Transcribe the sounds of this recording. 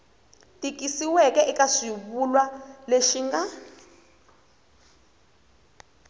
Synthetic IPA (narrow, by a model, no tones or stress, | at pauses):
tʼik̬isiwɛkɛʔikaʂiβulwaleʃiŋɡa